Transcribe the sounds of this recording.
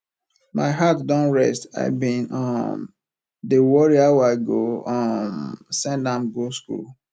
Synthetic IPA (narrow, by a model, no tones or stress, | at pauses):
maɪɦatdɔ̃nɹɛsta̰ɪbĩnɔm | dewɔɹiawaɪɡoɔ̃msɛ̃ndãmɡoskṵl